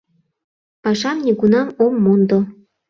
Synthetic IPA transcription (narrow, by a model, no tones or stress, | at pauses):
pɑʃɑmnʲiɡunɑmomːond̪o